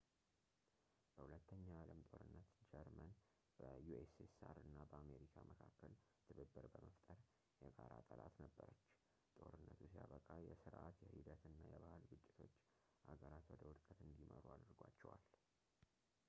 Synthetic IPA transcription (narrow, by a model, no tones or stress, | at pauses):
b̥əhulət̪ʰːəɲːaaləmt̪ʼo̞ɾɨnːət̪d͡ʒɛɾmən | b̥əjuesesa̰ɾɨnːabəame̞ɾikʰamʔəkʰakːəlt̪ʰɨβɨbːɨɾbəməft̪ʼəɾ | jɛɡaɾat̪ʼəlat̪nəbːəɾət͡ʃː | t̪ʼo̞ɾɨnːət̪ʰusijaβəkʼajɛsɨɾʔat̪jɛhid̪ət̪ɨnːajɛβahalɡɨt͡ʃʼːɪ̥t̪ʰo̞t͡ʃː | ʔaɡəɾat̪wɔd̪əwɔd̪kʼət̪ɨnd̪imə̰ɾuad̪ɾɡwat͡ʃːɛwal